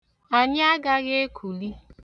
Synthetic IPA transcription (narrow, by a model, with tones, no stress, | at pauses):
a˨ɲɪ˦a˦ɡa˦ɣe˦e˦kʰu˨li˦